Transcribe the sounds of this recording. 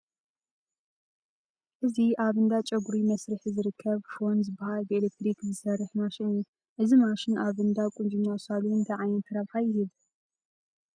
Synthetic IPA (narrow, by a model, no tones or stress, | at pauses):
ʔɨziʔaβɨnd̪at͡ʃʼɐɡuɾimɐsɾɨħzɨɾɨkʰːɐβfo̞nzɨbːahalbɨelek̚t̪ʰɾikzɨsɐrːɨħmaʃɪnɨju | ʔɨzimaʃɪnʔaβɨnd̪akʷʼʊnd͡ʒumasaluɨnt̪ʰɐʕajɛnt̪ʰɐɾɐβħajɪhɨβ